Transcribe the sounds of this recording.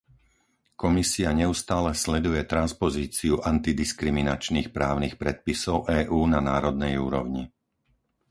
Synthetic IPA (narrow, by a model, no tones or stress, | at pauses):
kɔmisiaɲɛust̪aːlɛslɛd̪ujɛt̪ɾanspɔziːt͡siuʔant̪id̪iskɾiminat͡ʃnixpɾaːʊnixpɾɛt̪̚pisɔʊʔɛːʔuːnanaːɾɔd̪̚nɛjuːɾɔ̰ʊɲi